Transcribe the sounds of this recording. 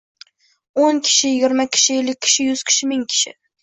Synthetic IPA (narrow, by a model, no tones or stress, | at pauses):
oŋkʲʰɪ̥ʃɪjɪɡʲɪɾmakʲʰɪ̥ʃɪelːɪk̚ʲʰːɪ̥ʃɪjʊz̥kʲʰɪ̥ʃɪmɪŋkʲʰɪ̥ʃɪ̰